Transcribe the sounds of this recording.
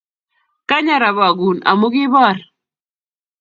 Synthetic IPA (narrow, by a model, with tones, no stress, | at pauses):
ka˦ɲa˨ɾa˨βa˨ɡu˨na̰˨mu˦ɡɪ˦bɔ˦˨ɾ